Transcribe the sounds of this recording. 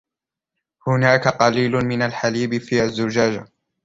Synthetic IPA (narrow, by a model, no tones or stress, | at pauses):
hʊnaːkaqɑliːlʊmɪnalħaliːbɪfiːʔazːʊd͡ʒaːd͡ʒa